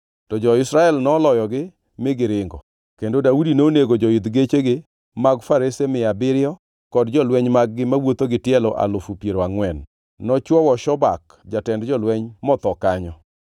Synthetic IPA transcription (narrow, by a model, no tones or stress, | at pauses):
tɔd͡ʒɔɪsɾaɛlnɔːlɔjɔɡɪ | mɪɡɪɾɪŋɡɔ̰ | kendodaudinoneɡod͡ʒɔɪd̪ɡet͡ʃeɡɪ | maɡfaɾesemɪabɪɾɪɔ | kɔdd͡ʒɔlwɛɲmaɡ̚ɡɪmawot̪oɡɪtjɛlɔʔa̰lʊfupjeɾoaŋwɛnː | ɔt͡ʃwɔwɔʃɔba̰k | d͡ʒatɛndd͡ʒɔlwɛɲmɔt̪ɔkaɲɔ